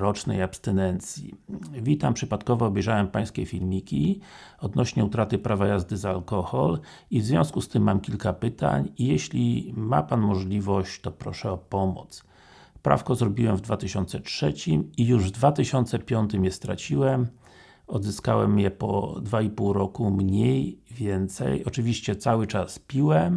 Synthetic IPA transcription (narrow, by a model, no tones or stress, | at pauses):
ɾɔt͡ʂnɛ̰japst̪ɛnɛnt̪sʲjḭvʲit̪ampʂɘpat̪kɔvɔːbɛjʐawɛmpaj̃skʲɛfʲilmʲikʲiɔd̪nɔɕɲɛut̪ɾat̪ɘpɾavajazd̪ɘzaːlkɔxɔl | ivzvʲjɔ̃w̃skust̪ɘmːamkʲilkapɘt̪a̰ɲijɛɕlʲima̰panmɔʐlʲivɔɕt͡ɕt̪ɔpɾɔʂɛɔpɔmɔ̰t̪s | pɾa̰fkɔzɾɔbʲiwɛmvd̪vat̪ɘɕɔnt̪sɛt͡ʂʂɛt͡ɕimijuʐvd̪vat̪ɘɕɔnt̪sɛpʲjɔnt̪ɘmjɛst̪ɾa̰t͡ɕiwɛm | ɔd̪zɘskawɛ̰mjɛpɔ̰d̪vaipuwɾɔkumɲejvʲjɛnt̪sɛ̰jɔt͡ʂɘvʲiɕt͡ɕɛt̪sawɘt͡ʂaspʲiwɛm